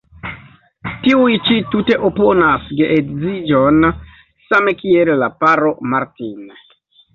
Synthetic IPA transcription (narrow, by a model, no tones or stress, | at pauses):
tiujt͡ʃitute̞ʔopo̞nasɡeʔeɡzid͡ʒon | same̞kielːapaɾo̞maɾtin